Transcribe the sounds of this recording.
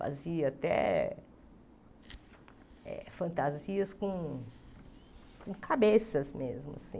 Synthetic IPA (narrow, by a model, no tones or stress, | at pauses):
fa̰ziɐat̪ɛ̰ | ɛ̰fɐ̃nt̪aziɐskõ | kõkʰabesɐzmezmʊ̰asḭ̃